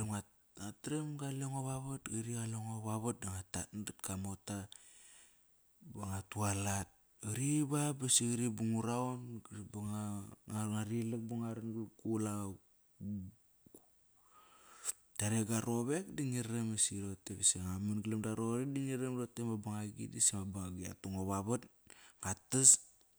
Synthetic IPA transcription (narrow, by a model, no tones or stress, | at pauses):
ema | atɾemɡaleŋoβaβatɡaɾialeŋoβaβat̚daŋatatndatkamota | baŋatualat̚ | aɾiβabasiɾibuŋuɾaonɡbaŋaŋŋaɾilek̚baŋaɾanɡkula | taɾeɡaɾoβek̚diŋiɾɾemesiɾotebesiŋaminɡlemdaɾoɾidiŋiɾemɾotemabaŋaɡḭdisimabaŋaɡia̰tuŋoβaβatɡatas